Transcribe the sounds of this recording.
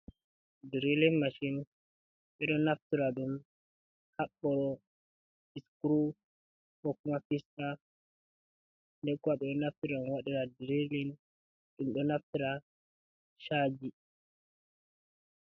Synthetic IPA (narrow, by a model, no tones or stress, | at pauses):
diɾilinmaʃin | ɓɛɗɔnaftiɾaɗum | haɓːɔɾɔ | iskɾu | hɔkumafista | ndɛkwaɓɛɗɔnaftiɾanwaɗiɾadiɾilin | ɗumɗɔnaftiɾa | ʃad͡ʒi